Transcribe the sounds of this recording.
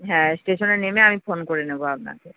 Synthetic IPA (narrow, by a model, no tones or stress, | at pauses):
ɦɛ̃sʈeʃoneɾnemeamifonkoɾeneboap̚na̰ke